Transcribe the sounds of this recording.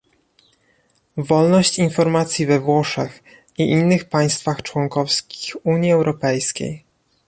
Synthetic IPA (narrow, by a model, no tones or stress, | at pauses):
vɔlnɔɕt͡ɕinfɔɾmat̪sʲjivɛvwɔʂɛx | iʔinːɘxpaj̃st̪faxt͡ʂwɔŋkɔfskʲi̥xuɲjiɛwɾɔpɛjskʲḛj